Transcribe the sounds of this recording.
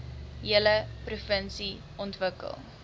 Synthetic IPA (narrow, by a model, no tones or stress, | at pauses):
jiələprufənsi | ʔɔntvəkə̰lˠ